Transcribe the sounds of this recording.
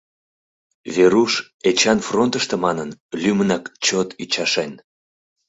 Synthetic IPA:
βeɾuʃ | et͡ɕɑnfront̪əʃt̪ə̆mɑnənlymənɑkt͡ɕot̪yt͡ɕɑʃen

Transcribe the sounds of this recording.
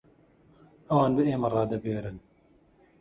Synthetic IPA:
ɐwaːnbɨeːmɐrˤɑːd̪ɐbeːɾɨn

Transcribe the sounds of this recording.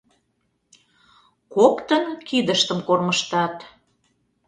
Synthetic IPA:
kokt̪ənkid̪əʃt̪əmkorməʃt̪ɑt̪

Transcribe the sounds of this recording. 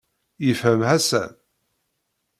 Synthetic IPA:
jəfhəmhæsæ̰n

